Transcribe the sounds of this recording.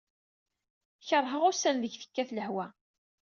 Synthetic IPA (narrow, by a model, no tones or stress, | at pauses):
çərˤɦəʁʊsænðəʝθə̥kːæθləhwæ